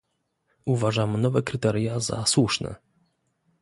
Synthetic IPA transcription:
uvaʐamnɔvɛkɾɘt̪ɛɾjaza̰swuʂnɛ̰

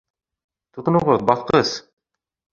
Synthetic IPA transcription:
t̪ut̪ɤ̆nuʁɤðbɑθqɤz̥

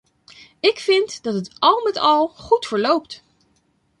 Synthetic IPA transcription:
ɪkfɪntd̥ɑtətɑlˠmɛtɑlˠχutfəɹlowpt

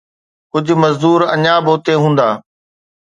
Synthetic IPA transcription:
kʊd͡ʑ̆ʱmɐzd̪uːɾɐɲaboːt̪eɦũːnd̪aː

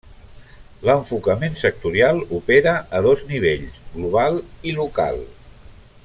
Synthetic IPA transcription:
ləɱfukəmensək̚t̪uɾialˠupeɾəəðozniβ̞eʎsɣluβ̞alˠiluka̰lˠ

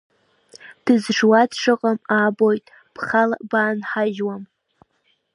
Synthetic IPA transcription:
d̥ɨzʐwadʰʂʰʼɨqʼamabojtʼ | b̥χalabaːnħaʒwam

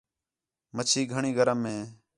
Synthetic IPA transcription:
mət͡ʃʰiːɡʱəɳĩːɡəɾəmːẽː

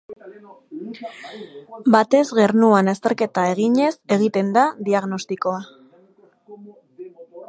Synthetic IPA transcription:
bat̪e̞zɣe̞rnuanast̪e̞ɾke̞t̪ae̞ɣ̞iɲe̞se̞ɣ̞it̪e̞nd̪aðiaɣno̞st̪iko̞a

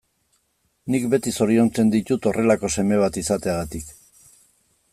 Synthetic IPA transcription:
nikbe̞t̪iso̞ɾio̞nt͡se̞nd̪it̪ut̪o̞re̞lako̞se̞me̞β̞at̪isat̪eaɣat̪ik

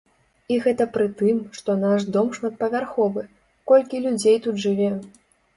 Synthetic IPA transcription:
iɣɛt̪ɐpɾɨt̪ɨmʂt̪ɔnaʂd̪ɔmʂmɐt̪̚pɐvʲarxɔvɨ | kɔlʲkʲilʲud͡zʲejt̪ud̪ʐɨvʲɛ

